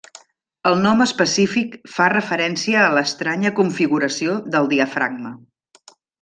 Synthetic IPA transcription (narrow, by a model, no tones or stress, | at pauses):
əlˠnɔməspəsifikfarəfəɾɛnsiəːləst̪ɾaɲəkuɱfiɣuɾəsioðəlˠd̪iəfɾa̰ɡ̚mə